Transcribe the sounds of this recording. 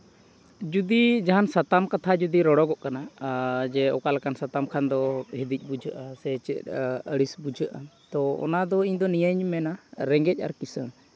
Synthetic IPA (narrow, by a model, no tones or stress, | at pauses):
d͡ʒud̪id͡ʒaɦansat̪amkat̪ʰad͡ʒud̪iɾɔɽɔɡɔʔkanad͡ʒɛɔkalakansat̪amkʰand̪ɔɦid̪ic̚ˀbud͡ʒʱəʔasɛt͡ʃɛt̪əɽisbud͡ʒəʔat̪ɔɔ̰nad̪ɔiɲd̪ɔnijəɲmɛnaɾɛŋɡɛc̚ˀa̰ɾkisə̃